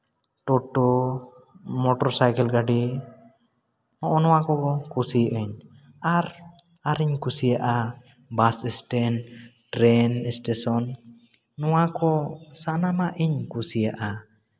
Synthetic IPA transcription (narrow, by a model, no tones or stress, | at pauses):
ʈɔʈɔ | mɔʈɔɾsajkɛlɡaɖi | nɔʔɔnɔwakɔkɔkusiʔɛɲ | aɾ | aɾiɲkusijaʔa | basɛsʈɛnʈɾɛnɛsʈɛsɔnː | ɔwakɔsanamaʔiɲkusijaʔa